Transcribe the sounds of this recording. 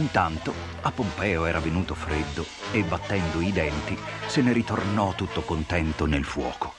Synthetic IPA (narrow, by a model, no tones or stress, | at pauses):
int̪ant̪o | apːompɛːoɛːɾʔavenuːt̪ofɾed̪ːo | ebːat̪ːɛnd̪oid̪ɛnt̪iseneɾit̪ornɔt̪ːut̪ːokont̪ɛnt̪onelfwɔːko̥